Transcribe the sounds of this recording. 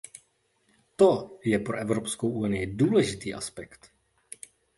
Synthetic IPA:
t̪ojɛpɾoʔɛvɾo̞pskowʔunɪjɪduːlɛʒɪt̪iːʔa̰spɛkt̪

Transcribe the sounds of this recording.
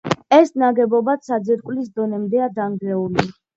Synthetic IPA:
ɛsnaɡɛbɔbat̪sad̪ziɾkʼwlis̬d̪ɔnɛmd̪ɛad̪anɡlɛuli

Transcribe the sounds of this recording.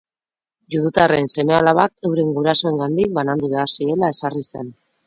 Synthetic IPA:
juðut̪are̞nse̞me̞alaβake̞wɾe̞ŋɡuɾaso̞e̞ŋɡand̪ik̚banand̪uβe̞aɾsie̞lae̞sarise̞n

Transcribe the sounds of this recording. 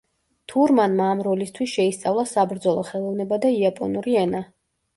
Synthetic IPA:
t̪ʰuɾmanmaːmɾɔlist̪ʰwisʃɛist̪sʼavlˠasabɾd̪zɔlˠɔχɛlˠɔvnɛbad̪aiapʼɔnuɾiɛna

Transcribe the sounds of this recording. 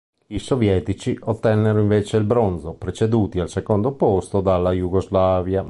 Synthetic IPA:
isovjɛːt̪it͡ʃiʔot̪ːɛnːeɾoiɱveːt͡ʃeilbɾonzopɾet͡ʃed̪uːt̪ialsekond̪opost̪od̪alːajuɡozlaːvja

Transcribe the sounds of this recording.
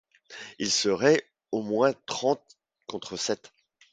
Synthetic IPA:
ilsəʁɛ | omwɛ̃t̪χɑ̃t̪̚ | kɔ̃t̪χəsɛt̪

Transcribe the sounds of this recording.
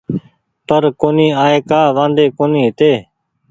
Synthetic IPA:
pəɾkoːniːaːeːkaːʋãːnd̪eːkoːniːɦt̪eː

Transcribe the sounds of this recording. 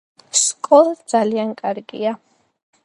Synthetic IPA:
skʼɔlˠad̪zaliankʼaɾɡḭa

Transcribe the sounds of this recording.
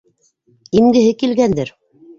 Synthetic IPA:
imɡɘ̆ɦɘkilɡænd̪ɘɾ

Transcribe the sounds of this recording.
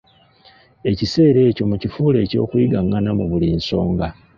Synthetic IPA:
e̞cise̞ːɾe̞ːco̞mucifuːle̞ːco̞̰ːkwiɡaŋanamuβuliːnso̞ːŋɡa

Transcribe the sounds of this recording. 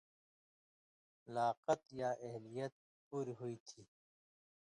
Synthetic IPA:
laːqət̪jaʔeɦlijɐt̪̚ | puːɾɦuit̪ʰiː

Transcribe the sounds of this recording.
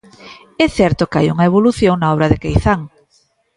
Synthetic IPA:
ɛθɛɾt̪okajuŋɐeβ̞oluθjoŋnaɔβɾɐðɪkejθaŋ

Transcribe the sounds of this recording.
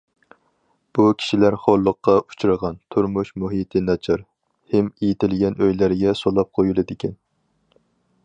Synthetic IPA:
b̥ukʲʰi̥ʃilæɾχolˠːəqːɑu̥t͡ʃʰuɾəʁɑnt̪ʰuɾmuʃmuɦit̪ʰɪnɑt͡ʃʰɑɾ | hɪmejit̪ɪlɡʲɛnøjlæɾɡʲɛsolˠɑp̚qʰojulˠɨd̪ɪkʲʰɛn

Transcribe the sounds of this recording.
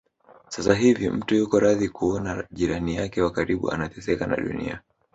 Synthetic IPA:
sasaɦivim̩tujukɔɾaðikuɔnaʄiɾanijakɛwakaɾiɓṵʔa̰natɛsɛkana̰ɗṵnḭa̰

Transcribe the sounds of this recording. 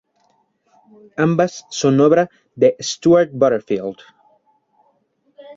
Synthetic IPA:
ãmbasːonoβɾa | ðest̪uaɾt̪̚bɔɾeɾfild̪̥

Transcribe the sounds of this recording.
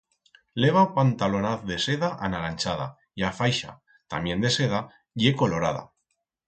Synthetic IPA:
le̞β̞apant̪alonaθðese̞ðaʔanalanʲt͡ʃaða̰ | iafajʃa̰ | t̪a̰mjẽ̞nd̪e̞se̞ð̞a | jeko̞lo̞ɾaða̰

